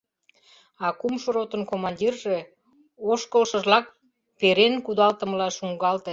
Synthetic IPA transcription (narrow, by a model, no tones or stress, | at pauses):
ɑkumʃoɾot̪ənkomɑnʲdʲirʒe | oʃkəlʃəʒlɑk̚ | peɾenkud̪ɑlt̪ə̆məlɑʃuŋɡɑlt̪e